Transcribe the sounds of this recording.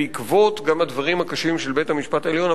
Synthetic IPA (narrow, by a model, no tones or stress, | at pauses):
ikvo̞tɡamad̪vaʁimhakaʃimʃelbe̞thamiʃpataeljo̞na